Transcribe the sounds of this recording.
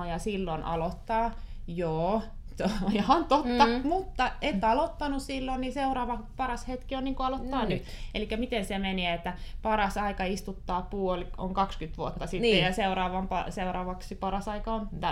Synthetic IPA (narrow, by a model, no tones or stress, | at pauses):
ɑjɑsilːonʔɑ̰lot̪ːɑːjoː | tojhɑnt̪ot̪ːɑmut̪ːɑet̪ːɑlot̪ːɑnussilːonniseurɑːʋɑpɑrɑshet̪kionniːŋkoɑlot̪ːɑːnyt̪elikːæmit̪ensemeneːet̪ːæpɑrɑsɑikɑist̪ut̪ːɑːpuolo̰ŋkɑkskyt̪ʋuot̪ːɑsit̪ːejjɑseuɾɑːʋɑmpɑ̰seurɑːʋɑksipɑrɑsɑikɑont̪æ